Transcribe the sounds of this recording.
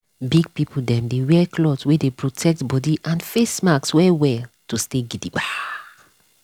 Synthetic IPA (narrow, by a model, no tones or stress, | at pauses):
biɡ̚pipʰudɛ̃mdewɛkʰlɔtwedepɹotʰɛk̚tbɔdiʔãnfesmakswɛwɛltusteɡidiba